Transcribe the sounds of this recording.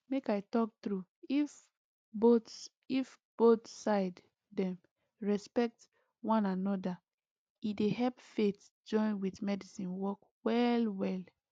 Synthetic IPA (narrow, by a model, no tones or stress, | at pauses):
mekaɪtɔk̚tɹuif | bots | if | b̥otsaɪdː | ɛ̃m | ɹɛspɛk̚t | wɔ̃nanɔda | ideɦɛlpfet | d͡ʒɔ̃ɪ̃nwitmɛdisĩnwɔk | wɛlwɛl